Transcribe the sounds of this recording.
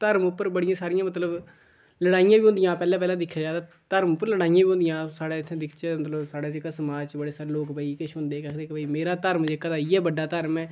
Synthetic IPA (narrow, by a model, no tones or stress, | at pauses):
t̪əɾmʊpːəɾbəɽɪjãːsaːɾɪjãːmət̪ləb | ləɽaːijãːbiːʊ̃nd̪ɪjãːpɛːlãːp̬ɛːlãːd̪ɪkʰːjaːd͡ʒaːd̪aː | t̪əɾmʊpːəɾləɽaːijãːʋiːʊ̃nd̪ɪjãːsaːɽaːɪt̪ʰːẽːd̪ɪkʰt͡ʃːmət̪ləbsaːɽaːd͡ʒɪkaːsəmaːd͡ʒt͡ʃbəɽeːsaːɾeːloːkbʱaiːkɪʃɦʊ̃nd̪eːkɛkʰd̪eːkɪbʱaimeːɾaːt̪əɾmd͡ʒeːkaːd̪aːiɛːbəɖːaːt̪əɾmɛː